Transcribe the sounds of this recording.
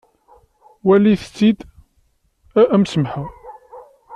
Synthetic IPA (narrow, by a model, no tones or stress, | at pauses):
wæliθə̥t͡sːid̪ | æʔæmsəmħa